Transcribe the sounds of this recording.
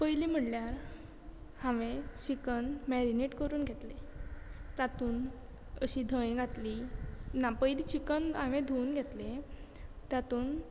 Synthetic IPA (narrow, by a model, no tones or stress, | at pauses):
pəjliːm̤əɽljaɾ | hãʋẽt͡ɕikənmɛɾineʈkəɾuːnɡʱet̪le | t̪at̪uːn | əɕid̪ʱəʋẽɡʱat̪linapəjlit͡ɕikənɦãʋẽd̪ʱuunɡʱet̪le | t̪jat̪uːn